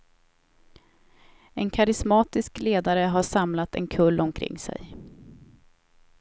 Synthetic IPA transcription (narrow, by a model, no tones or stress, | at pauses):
ɛnkʰaɾɪsmɑːt̪ɪskleːd̪aɾəɦaʂamlat̪ɛ̰nkʰɵlːʔɔmkʰɾɪ̰ŋːsɛ̰j